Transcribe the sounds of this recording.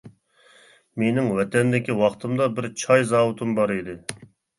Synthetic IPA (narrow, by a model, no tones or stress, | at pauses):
menɪŋwɛt̪ʰɛnd̪ɪkʲiwɑχt̪ʰɨmd̪ɑbɪɾt͡ʃʰɑjzɑːwut̪ʰɨmbɑɾid̪ɨ